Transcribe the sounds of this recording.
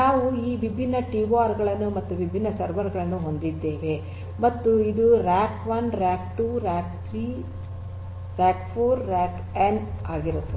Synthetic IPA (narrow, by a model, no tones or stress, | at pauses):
naːʋuiːʋibʱinːɐʈiʋaːɾɡɐɭɐnːumɐt̪ːuʋibʱinːɐsɐɾʋɐɾɡɐɭɐnːuɦo̞nd̪id̪ːe̞ːʋe̞ | mɐt̪ːuid̪uɾaːkʋɐnɾaːk̚ʈuɾaːk̚t̪ʰɾiː | ɾaːkpʰoːɾɾaːk | enaːɡiɾut̪ːe